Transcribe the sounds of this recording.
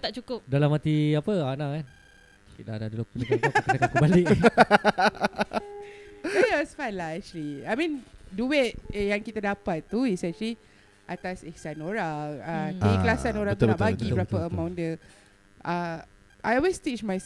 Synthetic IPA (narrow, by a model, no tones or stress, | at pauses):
t̪aʔt͡ʃukʊp̚dalamat̪iapəanaŋkan | kit̪adadulopunikaakkəakkəbalɪk | wɔsfanlaɛk̚t͡ʃuəliajmĩnduɪt̪̚jaŋkit̪adapat̪ːuisɛnʃəli | ʔat̪asɛksanoɹaŋat̪aklasanoɾaŋŋt̪naʔ̪baɡibbəɾapaəmãw̃ndə | ʔa | ʔajɔlwestit͡ʃmaj